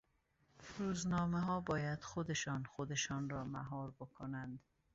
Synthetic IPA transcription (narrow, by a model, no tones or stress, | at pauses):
ɾuːznɒːmeɦɒːbɒːjæd̪xod̪eʃɒːnxod̪eʃɒːnɾɒːmæ̰ɦɒːɾbokʰonænd̪